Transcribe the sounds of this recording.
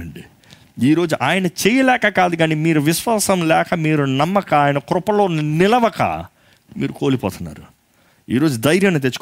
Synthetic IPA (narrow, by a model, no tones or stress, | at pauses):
ɐɳɖi | iːɾo̞ːd͡ʒuʔaːjɐnɐt͡ʃeːjɐlɛːkɐkaːd̪uɡaːnimiːɾuʋiʃʋɐsɐmlɛːkɐmiːɾunɐmːɐkɐaːjɐnɐkɾʊpɐlo̞ːnnɪlɐʋɐkɐ̰ | mḭːɾuko̞ːlipɔ̰ːt̪unːa̰ːɾu | iːɾoːd͡ʒud̪ɐjɾjɐmnut̪̬et͡ʃːu̥k